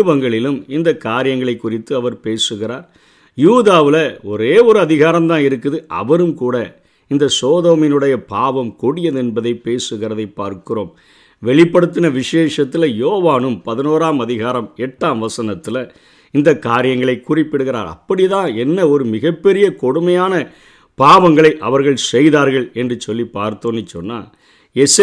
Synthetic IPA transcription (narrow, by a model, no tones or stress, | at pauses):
bɐŋɡɐɭɪlɯmɪnd̪ɐkːaːɾɪjɐŋɡɐɭɐɪkːʊrɪt̪ːɯɐʋɐɾpeːsɯɣɪraːɾ | juːðaːʋɪlɐɔɾeːɔɾɯɐðɪɣaːɾɐmt̪ãːɪɾɯkːɯðɯʔɐ̰ʋɐɾɯmkuːɽɐ | ɪnd̪ɐsoːðoːmɪnɯɽɐjɐpaːʋɐmkɔɽɪjɐðɯɛnbɐðɐɪpeːsɯɣɪrɐðɐɪpːa̰ːɾkɯroːm | ʋɛɭɪpːɐɽɯt̪̬ːɪnɐʋɪʂeːʂɐt̪ːɪlɐjoːʋaːnɯmpɐðɯnoːɾaːmɐðɪɣaːɾɐmɛʈːaːmʋɐsɐnɐt̪ːɪlɐ | ɪnd̪ɐkːaːɾɪjɐŋɡɐɭɐɪkːʊrɪpːɪɽɯɣɪɾa̰ːɾɐ̰pːɐɽɪðãːɛnːɐɔɾɯmɪɣɐpːɛɾɪjɐkɔɽɯmɐjaːnɐ | paːʋɐŋɡɐɭɐɪʔɐʋɐɾɣɐɭsɛjðaːɾɣɐɭɛndrɯsɔlːipːaːɾt̪oːnːɪt͡ʃːɔ̰nːa̰ː | ɛs